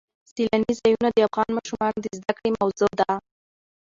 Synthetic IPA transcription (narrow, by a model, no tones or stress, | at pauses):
silanizɑjunad̪əafɣɑnmɑʃumɑnod̪əzd̪akɽemawzod̪a